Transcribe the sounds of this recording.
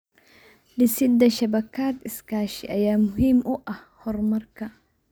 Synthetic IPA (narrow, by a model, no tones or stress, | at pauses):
ɖɪsɪd̪ɐʃɐbɐkʰaːd̪ɪskʰaːʃɪ̰ʔɐjaːmʊɦiːmʊʔɐh | hɔrmɐrkʰɐ